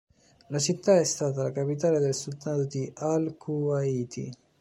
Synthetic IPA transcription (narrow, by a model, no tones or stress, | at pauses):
lat͡ʃit̪ːaɛst̪aːt̪alakapit̪aːled̪elsud̪aːt̪od̪ialkʰuaiːt̪ḭ